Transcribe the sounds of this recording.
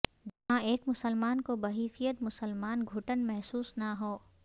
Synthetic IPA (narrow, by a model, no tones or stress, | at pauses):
d͡ʒɐɦãeːkmʊsəlmaːnkobɐɦiːsijət̪mʊsəlmaːnɡʱʊʈənmɛɦsuːsnaɦoː